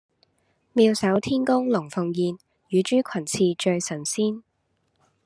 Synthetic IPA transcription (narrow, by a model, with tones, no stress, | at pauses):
miː˧wsɐ˨˥wt̪ʰiː˥nkʊ˥ŋlʊ˨˩ŋfʊ˨˧ŋjiː˧n | jyː˨˧t͡ʃyː˥kʰɐ˨˩nt͡sʰiː˧t͡ʃɵ˧ɥsɐ˨˩nsiː˥n